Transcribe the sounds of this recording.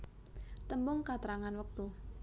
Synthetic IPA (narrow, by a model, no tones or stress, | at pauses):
t̪əmbʊŋkat̪əɾaŋanwək̚t̪u